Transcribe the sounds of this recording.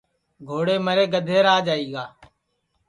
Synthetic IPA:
ɡʱoːɽeːməɾeːɡəd̪ʱeːɾaːd͡ʒaːiːɡaː

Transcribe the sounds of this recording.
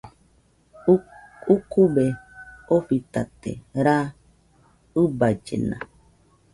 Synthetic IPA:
ukubeoɸit̪at̪ḛɾa | ɨbad͡ʒḛna̰

